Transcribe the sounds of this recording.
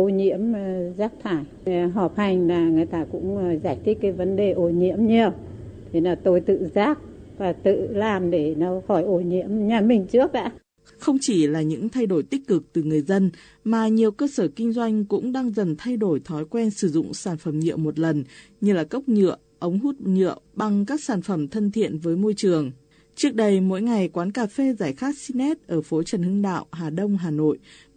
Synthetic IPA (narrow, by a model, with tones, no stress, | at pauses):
ʔo˧˩ɲḭ˧˥əmzaː˦˥k̚t̪ʰaː˧˩j | ɦɔ˨˩p̚ha˨˩jŋ̟laː˨˩ŋɨ˨˩ə˨jt̪aː˧kʊ̰˧˥ŋ͡mzaː˧˩jt̪ʰi˦˥ət̚kːa˨˦jvə˨˦nɗe˨˩ʔo˧˩ɲḭ˧˥əmɲi˨˧˩əwt̪ʰi˨˦naː˨˩t̪o˧jt̪ɨ̰˧˨zaː˦˥k̚ | vaː˨˩t̪ɨ̰˧˨laː˨˩mɗe˧˩nɔ˨˦hɔ˧˩jʔo˧˩ɲḭ˧˥əmɲaː˨˩mï˨˩ŋ̟t͡ɕɨ˦˥ək̚ʔa̰ː˧˥ | xə˧wŋ͡mt͡ɕi˧˩laː˨˩ɲɨ̰˧˥ŋt̪ʰa˧jɗo˧˩jt̪ï˦˥k̟̚kɨ˨˩k̚t̪ɨ˨˩ŋɨ˨˩əjzə˧n | maː˨˩ɲi˨˩əwkəː˧səː˧˩kï˧ŋ̟zwa˧jŋ̟kʊ̰˧˥ŋ͡mɗaː˧ŋzə˨˩nt̪ʰa˧jɗo˧˩jt̪ʰɔ˨˦jkwɛ˧nsɨ˧˩zʊ̰˧˨ŋ͡msaː˧˩nfə˧˩mɲɨ̰˧˨əmo˨˩t̚lə˨˩n | ɲɨ˧laː˨˩kə˦˥wk͡p̚ɲɨ̰˧˨ə | ʔə˨˦wŋ͡mɦu˦˥t̚ɲɨ̰˧˨əwɓa˧˩ŋkaː˦˥k̚saː˧˩nfə˧˩mt̪ʰə˧nt̪ʰḭ˧˨ənvəː˨˦jmo˧jt͡ɕɨ˨˩əŋ | t͡ɕɨ˦˥ək̚ɗə˧jmo̰˧˥jŋa˨˩jkwaː˨˦nkaː˨˩fe˧zaː˧˩jxaː˦˥t̚si˧nɛ˦˥t̚ʔəː˧˩fo˨˦t͡ɕə˨˩nhɨ˧əŋɗa̰ː˧˨wʔɦaː˨˩ɗə˧wŋ͡mɦaː˨˩no̰˧˨j